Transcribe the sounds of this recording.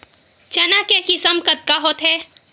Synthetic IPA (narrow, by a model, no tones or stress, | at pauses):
t͡ʃɐnakekisəmkɐd̪̚kaɦoːt̪ɦɛː